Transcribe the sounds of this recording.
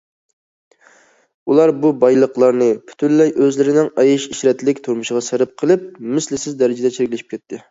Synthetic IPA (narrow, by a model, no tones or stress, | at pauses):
ulˠɑɾbubɑjlˠəqlˠɑɾnɨpʰy̥t̪ʰynlːɛjʔøzlɪɾɪnɪŋɑjiʃiʃɾɛt̪lɪkʲt̪ʰuɾmuʃɪʁɑsæɾɪp̚qʰəlˠɨp̚mɪslɪsɪzd̪ɛɾɪd͡ʒɛd̪ɛt͡ʃʰeɾkʲlɪʃi̥pkʲɛt̪ʰːɪ